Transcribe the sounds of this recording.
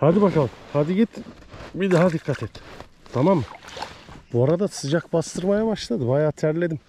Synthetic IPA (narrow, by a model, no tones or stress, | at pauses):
had̪ibakalˠhad̪iɡʲit̪bid̪aɦad̪iqːat̪ʰet̪ː | t̪ʰɑmamː | b̥uaɾad̪asɯd͡ʒakbɑst̪ɯɾmajabɑʃlˠad̪ɯbajaːt̪ʰæɾlʲed̪im